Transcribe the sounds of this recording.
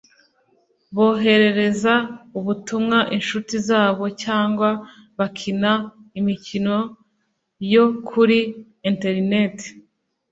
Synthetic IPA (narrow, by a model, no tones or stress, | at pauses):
βo̞ːɦe̞ɾe̞ɾe̞zauβutumŋaʔinʃutizaːβo̞caːŋɡwa | βakʰinaimicino̞ | jo̞kʰuɾi | inte̞ɾinete̥